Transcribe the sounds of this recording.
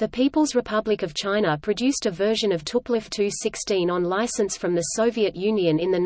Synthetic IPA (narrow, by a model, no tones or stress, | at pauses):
ðɨpʰipəlˠzɹɨpʰʌblɨkʌv̥t͡ʃʰãɪ̃nəpʰɹ̥ɨdʉstɨvɜ˞ʒɨ̃nʌv̥tʰʊplɨftʰʉsɪkstĩnə̃nlaɪsɨ̃nsfɹʌ̃mðɨsəʊviɨʔjʉ̃njɨ̃nɨ̃nðɨn